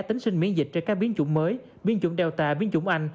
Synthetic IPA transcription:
t̪i˨˦ŋ̟sï˧ŋ̟mḭ˧˥ənzï˨˩k̟̚t͡ɕnkaː˦˥k̚ɓi˨˦ənt͡ɕʊ̰˧˥ŋ͡mməː˨˦j | ɓi˧ənt͡ɕʊ̰˧˥ŋ͡mɗɛ˨˩wt̪aː˨˩ɓi˨˦ənt͡ɕʊ̰˧˥ŋ͡mʔa˧jŋ̟

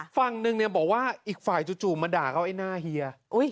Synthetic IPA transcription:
fa˨˩ŋnɯ˧ŋni˧˩ɐbɔː˨˩k̚waː˥˩ʔiː˨˩k̚faː˨˩jt͡ɕu˧t͡ɕuː˨˩ma˧daː˨˩kʰa˥˩wʔa˥˩jnaː˥˩hi˧ɐʔu˦˥˩j

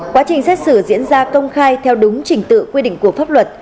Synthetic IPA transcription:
kwaː˨˦t͡ɕï˨˩ŋ̟sɛ˦˥t̚sɨ˧˩zḭ˧˥ənzaː˧kə˧wŋ͡mxaː˧jt̪ʰɛ˧wɗʊ˨˦ŋ͡mt͡ɕï˧˩ŋ̟t̪ɨ̰˧˨kwi˧ɗḭ̈˧˨ŋ̟ku˧˩əfaː˦˥p̚lwə˨˩t̚

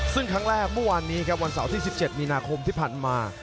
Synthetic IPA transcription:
sɯ˥˩ŋkʰɾa˦˥ŋɾɛː˥˩k̚mɯ˥˩˨waː˧nːiː˦˥kʰɾa˦˥p̚wa˧nsa̰˩˦wt̪ʰiː˥˩si˨˩p̚t͡ɕe˨˩t̪̚miː˧naː˧kʰo˧mt̪ʰiː˥˩pʰaː˨˩nmaː˧

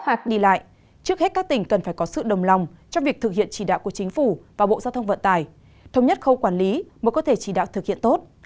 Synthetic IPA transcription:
waː˨˩k̚ɗi˧la̰ː˧˨j | t͡ɕɨ˦˥ək̚he˦˥t̚kaː˦˥k̚t̪ï˧˩ŋ̟kə˨˩nfaː˧˩jkɔ˨˦sɨ̰˧˨ɗə˨˩wŋ͡mla˨˩wŋ͡mt͡ɕɔ˧ŋ͡mvi˨˩ək̚t̪ɨ˨˩k̚hḭ˧˨ənt͡ɕi˧˩ɗa̰ː˧˨wku˧˩ət͡ɕï˨˦ŋ̟fu˧˩vaː˨˩ɓo̰˧˨zaː˧wt̪ʰə˧ŋ͡mvə̰˧˨nt̪aː˧˩j | t̪ʰə˧wŋ͡mɲə˦˥t̚xə˧wkwaː˧˩nli˨˦məː˨˦jkɔ˨˦t̪ʰe˧˩t͡ɕi˧˩ɗa̰ː˧˨wt̪ʰɨ˨˩k̚hḭ˧˨ənt̪o˦˥t̚

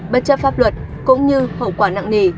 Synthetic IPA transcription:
ɓə˦˥t̚t͡ɕə˦˥p̚faː˦˥p̚lwə˨˩t̚ | kʊ̰˧˥ŋ͡mɲɨ˧hə̰˧˩kwaː˧˩na̰ː˧˨ŋni˧˩

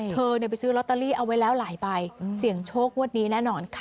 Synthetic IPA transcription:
tʰɤː˧ni˧˩pa˧jsɯː˦˥lɔ˦˥t̪ːaː˧liː˥˩ʔa˧wa˦˥jlɛː˦˥wlaː˩˦jba˧jsi˨˩˦əŋt͡ɕʰoː˥˩k̚mu˥˩ət̪̚niː˦˥nɛː˥˩nɔː˧nkʰa˥˩

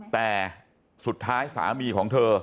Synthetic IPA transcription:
t̪ɛː˨˩ | su˨˩t̪ʰːaː˦˥jsa̰ː˩˦miː˧kʰɔː˩˦ŋt̪ʰɤː˧

